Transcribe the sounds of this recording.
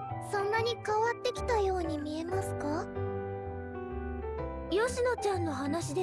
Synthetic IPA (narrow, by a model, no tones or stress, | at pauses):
sõ̞nːaɲ̟ikaβat̪ːe̞kʲi̥t̪ajo̞ːɲ̟imʲie̞masɨ̥ka | jo̞ɕino̞t͡ɕãnːo̞ɦanaɕid̪e